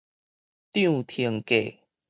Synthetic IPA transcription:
t̪i˥˧˨t̪ʰi˨˩ŋke˨˩

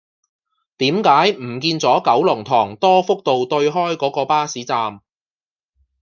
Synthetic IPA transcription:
t̪iː˨˥mkaː˨˥jm̩˨˩kiː˧nt͡sɔː˨˥kɐ˨˥wlʊ˨˩ŋt̪ʰɔː˨˩ŋt̪ɔː˥fʊ˥k̚t̪o˨wt̪ɵ˧ɥɦɔː˥jkɔː˨˥kɔː˧paː˥siː˨˥t͡saː˨m

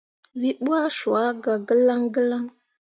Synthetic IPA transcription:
wi˦ɓu˦a˦ʃu˨a˦ɡa˨ɡə˦la˦ŋɡə˦la˦ŋ

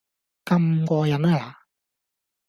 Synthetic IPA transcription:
kɐ˧mkʷɔː˧jɐ˨˥na˧laː˨

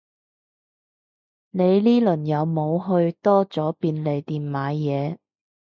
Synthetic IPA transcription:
ne˨˧jliː˥lɵ˨˩njɐ˨˧wmo˨˧wɦɵ˧ɥt̪ɔː˥t͡sɔː˨˥piː˧nle˨˩jt̪iː˨˩nmaː˨˧˥jɛː˨˧

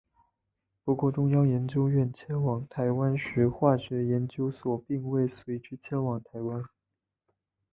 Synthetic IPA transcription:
pu˧˥kwɔ˥˩ʈ͡ʂʊ˥ŋjɑ˥ŋjɛ˧˥nt͡ɕjo˥ʊɥɛ˥˩nt͡ɕʰjɛ˥nwɑ˨˩ŋt̪ʰa˧˥ɪwa˥nɕɛ˧˥xwa˥˩ɕɥɛ˧˥jɛ˧˥nt͡ɕjo˥ʊswɔ˨˩pi˥˧ŋwe˥˩ɪswe˧˥ɪʈ͡ʂɻ̩˥t͡ɕʰjɛ˥nwɑ˨˩˦ŋt̪ʰa˧˥ɪwa˥n

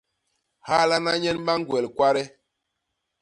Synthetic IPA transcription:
ha˦la˦na˦ɲɛ˦n˦ba˦ŋ˦ɡwɛ˨lkwa˦ɾɛ˦

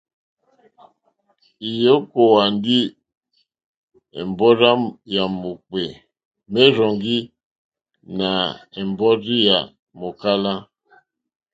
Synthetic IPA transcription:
i˨jo˦ko˨wa˨ndi˦ | ɛ̰˨mbɔ˦ɾa˦ja˨mo˨k͡pe˨ | me˦ɾɔ˨ŋɡi˦ | na˨ɛ˨mbɔ˦ɾi˦ja˨ | mo˨ka˦la˦

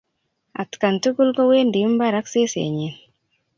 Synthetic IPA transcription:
a̰˨t̪ka˨ntu˦ɡu˦lɡɔ˦we˦ndi˨˦mba˦ɾa˦kse˦sḛ˨ɲi˨n

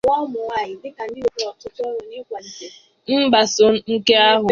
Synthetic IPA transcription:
ŋʷɔ˦mʊ˨wa˦˨ɪ˨dɪ˦ka˨n̩˦dɪ˦o˨kɔ˨tʊ˦tɔ˦ɾʊ˨ni˦kʷa˨n̩˨se˨ | m̩˦ba˨sʊ˨˦ŋ̩˦ke˦a˦ɦʊ˨

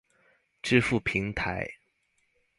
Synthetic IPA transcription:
ʈ͡ʂɻ̩˥˧fu˥˩pʰi˧˥ŋt̪ʰa̰˧˥ɪ

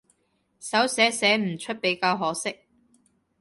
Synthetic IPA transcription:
sɐ˨˥wsɛː˨˥sɛː˨˥m̩˨˩t͡ʃʰɵ˥t̚pe˨˥jkaː˧wɦɔː˨˥sɪ˥k̚

